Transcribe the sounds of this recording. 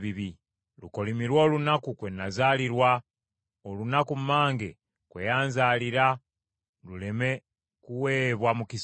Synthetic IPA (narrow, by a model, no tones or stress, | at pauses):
βiβi | luko̞limiɾwo̞ːlunakukwe̞nːazaːliɾwa | olunakumːaːŋɡḛ | kwḛjaːnzaːliɾa | luleme̞ | kuweβwamukis